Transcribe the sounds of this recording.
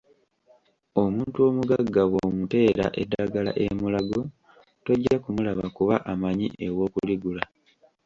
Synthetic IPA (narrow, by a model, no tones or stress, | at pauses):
o̞muːntuo̞muɡaɡːawo̞ːmute̞ːɾa̰ʔedːaɡala̰ʔe̞mulaɡo̞ | to̞ɟːakumulaβakuβaʔamaɲiʔe̞wo̞ːkuliɡula